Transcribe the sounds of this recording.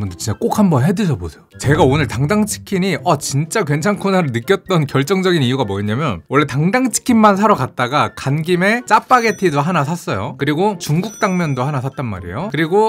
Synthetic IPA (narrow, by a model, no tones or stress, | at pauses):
mbundot͡ɕint͡ɕ͈ak͈ok̚ʰhambʌnɦedɯd͡ʑʌbosʰejot͡ɕe̞ɡaonɯɭtaŋdaŋt͡ɕʰi̥kʰiɲiʌt͡ɕint͡ɕ͈akwe̞nt͡ɕʰankʰunaɾɯɭnɯk͈jʌt̚t͈ʌnkjʌɭt͡ɕ͈ʌŋd͡ʑʌɡiniuɡamʌeɲamjʌnwʌɭːetaŋdaŋt͡ɕʰi̥kʰinːansʰaɾʌkat̚t͈aɡakanɡimet͡ɕ͈ap̚p͈aɡe̞tʰidoɦanasʰas͈ʌjo̰kɯɾiɡot͡ɕuŋɡuk̚t͈aŋmjʌndohanasʰat̚t͈anma̰ɾḭjokɯɾiɡo